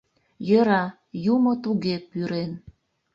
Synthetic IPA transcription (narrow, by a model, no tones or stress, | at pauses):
jəɾɑ | jumot̪uɣepyɾen